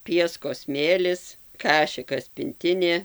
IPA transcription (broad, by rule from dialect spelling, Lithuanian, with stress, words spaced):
ˈpʲiɛskoːs ˈsʲmʲeːlʲɪs ˈkɑːʃʲɪkɐs pʲɪnʲˈtʲɪnʲeː